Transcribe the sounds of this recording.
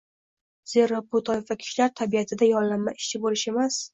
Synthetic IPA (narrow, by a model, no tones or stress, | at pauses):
z̥e̞ɾopot̪ʰɒjefvakʲʰɪ̥ʃlaɾt̪ʰabiat̪ʰɪd̪ajɒnlːanmːaʔɪʃt͡ʃʰɪbolɪʃe̞mas